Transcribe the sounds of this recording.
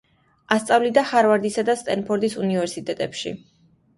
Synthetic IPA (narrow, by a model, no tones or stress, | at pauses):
ast̪sʼavlid̪aχaɾvaɾd̪isad̪ast̪ʼɛnpʰɔɾd̪isunivɛɾsit̪ʼɛt̪ʼɛpʃḭ